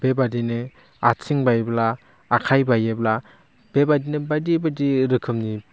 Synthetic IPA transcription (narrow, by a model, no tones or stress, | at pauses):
b̥ebadine | at͡sʰiŋbajblaː | kʰajbajebla | b̥ebadinebadibadiɾɯkʰɯmni